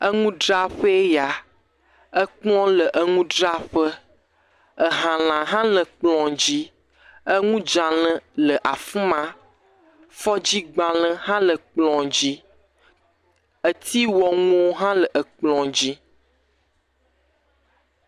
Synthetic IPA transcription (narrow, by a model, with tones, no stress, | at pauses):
ə˦ŋũ˦ɖɾa˦ɸə˦e˦ja˨ | ə˦k͡plɔ̃˦lə˨ʔə˦˨ŋũ˦ɖɾa˦ɸə˦ | ə˨ɦã˨l̃ã˨ɦã˦lə˨k͡plɔ̃˨d͡ʑi˦ | ə˦ŋũ˦d͡ʒã˨lə̃˦lə˨ʔa˨fũ˦mã˦ | fɔ˦d͡ʑi˦ɡ͡bã˨lə̃˦ɦã˦lə˨k͡plɔ̃˨d͡ʑi˦ | ə˨t̪i˦wɔ˨ŋũ˦wo˦ɦã˦lə˨ʔə˨k͡plɔ̃˨d͡ʑi˦